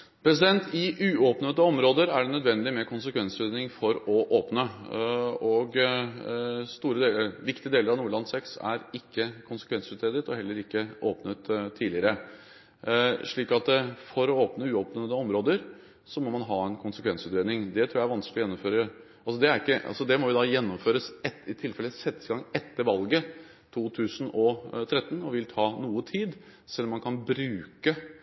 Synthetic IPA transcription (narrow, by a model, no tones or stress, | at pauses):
pʰɾɛs̬ɪd̪ɛnt̪ɪʔʉːoːpnət̪əɔmɾoːd̪əɾæɖɛnœd̪ʋɛnd̪ɪmɛkʰʊnsəkʰʋɛnsʉt̪eːd̪nɪŋfɔɾɔʔoːpnə | ɔɡ | st̪uːɾəd̪eːləɾʋɪkt̪ɪəd̪eːləɾɑʋnuːɭɑnsɛksæ̰ɾɪkːəkʰʊnsə̥kʰʋɛnsʉːt̪ɾeːd̪ət̪ɔɦɛlːəɾɪkːəoːpnət̪ʰːiːlɪəɾə | ʂɭiːkɑt̪fɔɾɔoːpnəʉːoːpnəəɔmɾoːd̪əɾ | sɔmɔmɑnɦɑːɛnkʰʊnsəkʋɛnsʉːt̪ɾeːd̪nɪŋd̪ɛt̪ʰɾuːjæʋɑnsklɪɔjɛnːɔmføːɾə | ɑlsɔd̪ɛæɾɪkːəʔɑ̰lsɔd̪ɛmɔʋɪd̪ɑjɛnːɔmføːɾəsɛt̪ɪt̪ʰɪlfɛlːəsɛt̪ːəsɪɡɑŋɛt̪ːəɾʋɑlɡə | t̪ʰuːt̪ʰʉːsənɔt̪ʰɾɛt̪ːən̩ɔʋɪlt̪ʰɑːnuːət̪ʰiːd̪ | sɛlːɔmːɑnkʰɑnbɾʉːkə